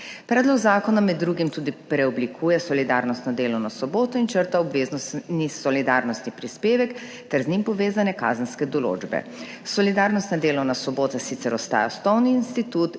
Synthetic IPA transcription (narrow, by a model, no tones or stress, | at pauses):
pɾɛːd̪lɔɡzaːkɔnamɛd̪ːɾuːɡimt̪uːd̪ipɾɛɔblikʰuːjɛsɔlid̪aːɾnɔst̪nɔd̪eːlɔwnasɔboːt̪ɔint͡ʃəɾt̪aɔbʋeːznɔsnisɔlid̪aːɾnɔst̪nipɾispeːʋɛk | t̪ɛɾznimpɔʋeːzanɛka̰ːzənskɛd̪ɔlo̰ːd͡ʒbɛ̰ | sɔlid̪aːɾnɔst̪nad̪eːlɔwnasɔboːt̪asit̪sɛɾɔst̪a̰ːja̰st̪ɔwniːnst̪it̪ut̪